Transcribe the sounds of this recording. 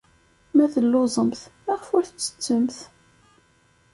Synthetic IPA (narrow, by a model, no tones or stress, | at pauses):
mæθəlːʊzˤəmθæʁfʊɾθət͡sːə̥t͡sːəmθ